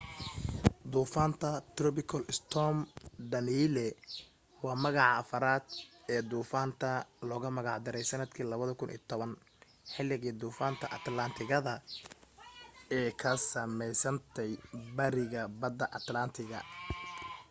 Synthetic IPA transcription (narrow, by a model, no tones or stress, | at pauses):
d̪uːfaːnt̪ʰɐt̪rɔpɪkʰɔlɪst̪ʰɔmɖ̪ɐniːlɛ | wɑːmɐɣɑʕɑːfɐɾaːd̪ɛːd̪uːfaːnt̪ʰɐlɔːɣɐmɐɣɑʕd̪ɪɾɛjsɐnɐd̪kʰiːlɐβɐðɐkʰʊnʔḭːt̪ʰɔβɐn | ħɪlːɪɣiːd̪uːfaːnt̪ʰɐʔɐt̪lɐnt̪ʰɪɣɐðɐ | ɛːkʰɐsɐmɛjsɐnt̪ʰɛjbɐɾɪɣɐbɐd̪ɐʔɐt̪lɐnt̪ʰɪɣɐ̰